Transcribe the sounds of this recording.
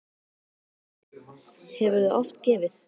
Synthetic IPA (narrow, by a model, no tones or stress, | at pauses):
hɛvʏɾðaʔɔft̪cɛːvɪθ